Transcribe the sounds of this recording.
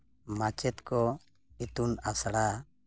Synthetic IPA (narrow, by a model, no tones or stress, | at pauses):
mat͡ʃɛt̪kɔ | it̪unasɽa